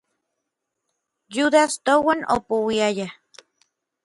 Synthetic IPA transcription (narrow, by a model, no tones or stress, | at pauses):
juðast̪owanʔo̰puwiaja